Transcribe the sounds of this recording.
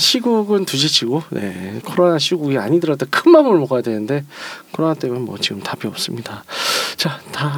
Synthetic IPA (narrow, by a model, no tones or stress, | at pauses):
ɕʰiɡuɡɯntud͡ʑit͡ɕʰiɡone̞̰kʰoɾonaɕʰiɡuɡia̰ɲidɯɾʌdokʰɯnmamɯɭmoɡajadwe̞nɯnde̞kʰɯoɾʌnat͈e̞mɯnmwʌ̰t͡ɕiɡɯmtabiʌp̚s͈ɯmɲidat͡ɕata